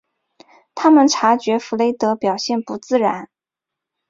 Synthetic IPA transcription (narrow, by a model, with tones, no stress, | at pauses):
t̪ʰa˥mə˨nʈ͡ʂʰa˧˥t͡ɕɥɛ˧˥fu˧˥le˧˥ɪt̪ɤ˧˥pjɑ˨˩ʊɕjɛ˥˩npu˧˥t͡sɹ̩˥˩ɻa̰˧˥n